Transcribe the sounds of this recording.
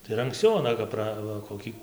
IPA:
tɐɪ ɪr ɐŋksʲˈt͡sʲɛʊ ɐˈnɐ kɐp ˈprɐ ʋɐ koːˈkʲiː

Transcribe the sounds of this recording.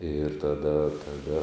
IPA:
ɪr tɐˈdɐ tɐˈdɐ

